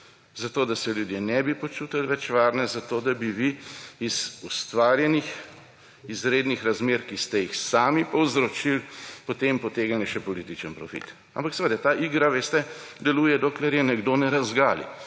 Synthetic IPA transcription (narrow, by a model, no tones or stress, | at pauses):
zat̪oːd̪asɛljud̪jenɛbipot͡ʃuːt̪alʋɛt͡ʃʋaːɾnɛzat̪oːd̪abiʋiiz̥ust̪ʋaːɾjɛnix | izɾeːd̪nixɾazmeːɾkist̪ɛjixsaːmipɔwzɾot͡ʃilpot̪empɔt̪eːɡaniʃɛpɔliːt̪it͡ʃənpɾɔ̰fḭt̪ | a̰mpaksɛʋed̪at̪aːʔiːɡɾaʋeːst̪ɛ | d̪ɛluːjɛd̪oːklɛɾjɛnɛɡd̪onɛɾazɡaːlḭ